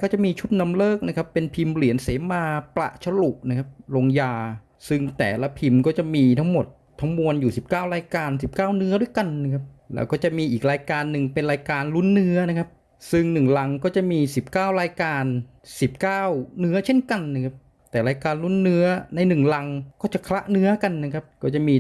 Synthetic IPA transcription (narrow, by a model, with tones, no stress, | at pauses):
kɔː˥˩t͡ɕa˨˩ʔmiː˧t͡ɕʰu˦˥t̪̚na˧mlɤː˥˩k̚na˦˥kʰa˦˥pːe˧npʰi˧mli˨˩˦ənseː˩˦maː˧pla̰˨˩ʔt͡ɕʰa˧lu˨˩ʔ̚na˥kʰa˦˥p̚lo˧ŋjaː˧ | sɯ˦˥˩ŋt̪ɛ̰ː˨˩la˦˥pʰi˧mkɔː˥˩t͡ɕa˨˩ʔmiː˧t̪ʰa˦˥ŋmo˨˩t̪ʰːa˦˥ŋmu˧ənjuː˨˩si˨˩p̚kaː˥˩wɾaː˧jkaː˧ns̬i˨˩p̚kaː˥˩wnɯ˦˥ɐdu˥˩əjka˧nːa˧˥˩kʰa˦˥p̚lɛ̰ː˦˥˩wkɔː˥˩t͡ɕa˨˩ʔmiː˧ʔiː˨˩k̚ɾaː˧jkaː˧nːɯ˨˩ŋpe˧nɾaː˧jkaː˧nlu˦˥˩nːɯ˦˥ɐna˦˥kʰa˦˥p̚ | sɯ˥˩ŋnɯ˨˩ŋla˧ŋkɔː˥˩t͡ɕa˨˩ʔmiː˧si˨˩p̚kaː˥˩wɾaː˧jkaː˧n | si˨˩p̚kaː˥˩wnɯ˦˥ɐt͡ɕʰe˥˩nka˧nːa˧˥˩kʰa˦˥p̚ | t̪ɛː˨˩ɾaː˧jkaː˧nlu˦˥˩nːɯ˦˥ɐna˧jnɯ˨˩ŋla˧ŋkɔː˥˩t͡ɕa˨˩kʰla˦˥ʔnɯ˦˥ɐka˧nːa˦˥kʰa˦˥p̚kɔː˥˩t͡ɕa˨˩ʔmiː˧